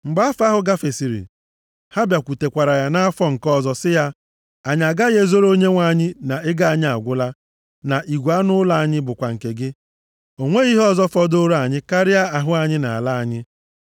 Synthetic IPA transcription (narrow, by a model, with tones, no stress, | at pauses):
ŋ͡m̩˨ɡ͡ba˦fa˦ɦʊ˨ɡa˦fe˨si˨ɾḭ˨ | ha˦bja˨kʷu˨te˨kʷa˨ɾa˨ja˦na˦a˦fɔ˦ŋ̩˨kɔ˦zɔ˦sɪ˦ja˦ | a˨ɲ˨a˨ɡa˦ɣe˦zo˦ɾo˦ɲe˦ŋʷa˨ɲɪ˦na˨ɪ˦ɡa˦a˨ɲɪ˦a˨ɡʷʊ˦la˦ | na˨ʔi˨ɡʷu˨a˦nʊ˦la˨a˨ɲɪ˦bʊ˨kʷa˨ŋ̩˨ke˨ɡɪ˦ | o˨ŋʷe˦i˦ɦɔ˦zɔ˦fɔ˦do˦ɾa˨ɲɪ˦ka˦ɾɪ˦ja˦a˨ɦʊ˦a˨ɲɪ˦na˨a˨la˦a˨ɲɪ˦